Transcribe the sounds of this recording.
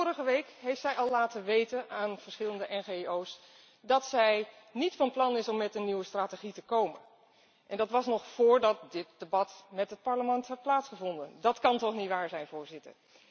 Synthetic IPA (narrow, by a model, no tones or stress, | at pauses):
ʊːrəχəʋejkɦejftsɛjɑlˠlaːtəʋejtənʔaːnv̥əɹsχɪləndəʔɛnχeows | dɑtsɛj | nitfɑnplɑnɪsɔmːɛtəniwəstraːteχitəkowmən | ʔɛndɑtʋɑsnɔχfʊːɹdɑt̚dɪt̚d̥ebɑtmɛtɦət̚pɑɹləmɛntɦɛt̚plaːtsχəvɔndəndɑtkɑntɔχnitʋaːɹzɛjnvʊːɹzɪtə̰ɹ